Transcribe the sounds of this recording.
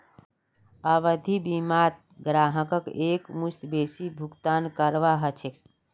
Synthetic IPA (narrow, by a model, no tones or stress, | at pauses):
əbəd̪ʱibimat̪̚ | ɡɾaɦəkəkekmust̪besibʱukt̪ankəɾʋaɦət͡ʃʰek